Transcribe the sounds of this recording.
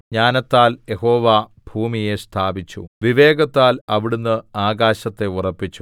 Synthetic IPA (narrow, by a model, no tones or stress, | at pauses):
ɲaːnɐt̪ːaːlje̞ho̞ːʋaːbʱuːmije̞st̪ʰaːbit͡ɕːṵʋiʋe̞ːɡɐt̪ːaːlɐʋiɽunːɨaːɡaːɕɐt̪ːe̞urɐpːit͡ɕːu